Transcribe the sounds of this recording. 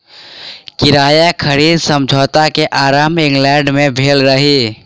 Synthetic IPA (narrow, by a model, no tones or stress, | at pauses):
kɪɾaːjakʰəɾiːd̪sə̃md͡ʒʱoːt̪akeʔaːɾaːmɪ̃ŋɡlɛ̃ːɖmẽbʱeːlɾəɦiː